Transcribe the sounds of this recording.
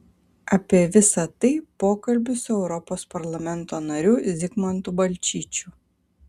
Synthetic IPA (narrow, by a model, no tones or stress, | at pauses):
ɐpʲiɛʋʲɪsɐt̪ɐɪpoːkɐlʲbʲʊsʊɛʊɾɔpoːspɐɾlˠɐmʲɛnˑt̪oːnɐɾʲʊːzʲɪkmɐnt̪ubɐlʲt͡ʃʲiːt͡ʃʲuː